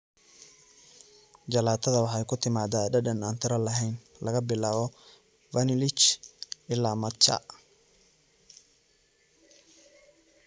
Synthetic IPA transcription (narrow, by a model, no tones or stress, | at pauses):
d͡ʒɐlaːt̪ʰɐðɐwɑħɛjkʰʊt̪ʰɪmaːd̪aɗɐɗɐnaːnt̪ʰɪɾɐlɐɦɛjn | lɐɣɐbɪlaːβɔ | vɐnɪlɪt͡ʃʔɪlːamɐt͡ʃa̰